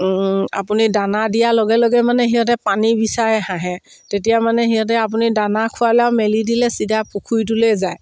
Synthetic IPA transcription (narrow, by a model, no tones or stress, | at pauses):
a̰punidanadijalɔɡɛlɔɡɛmanɛɦiɔt̬ɛpanibisaɹɛɦaɦɛ̃ | tetijamanɛɦiɔt̬ɛap̬unidanakʰʊalɛawmelidilɛsidʱapukʰujt̬ulezaj